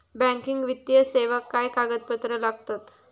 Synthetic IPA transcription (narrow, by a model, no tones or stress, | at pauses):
bæ̃ŋkiŋɡʋit̪ːjəseʋəkːajkaɡəd̪̚pət̪ɾəlaɡt̪at̪